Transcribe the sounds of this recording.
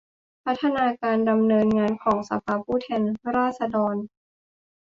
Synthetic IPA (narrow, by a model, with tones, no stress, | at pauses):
pʰa˦˥t̪ʰːa˧naː˧kaː˧nda˧mnɤː˧nŋaː˧nkʰɔː˩˦ŋsa̰˧pʰaː˧pʰuː˥˩t̪ʰɛː˧nɾaː˥˩t̪̚sa˧dɔː˧n